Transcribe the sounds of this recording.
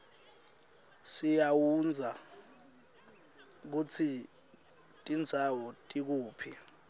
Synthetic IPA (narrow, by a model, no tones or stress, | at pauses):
sijawund͡zʱa | k̬ut͡sʰi | tʼind͡zʱawɔtʼik̬uːpʰi